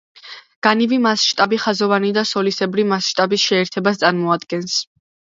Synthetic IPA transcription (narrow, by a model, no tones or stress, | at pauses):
ɡ̥anivimasʃt̪ʼabiχazɔvanid̪asɔlisɛbɾimasʃt̪ʼabisʃɛːɾt̪ʰɛbast̪sʼaɾmɔad̪ɡɛns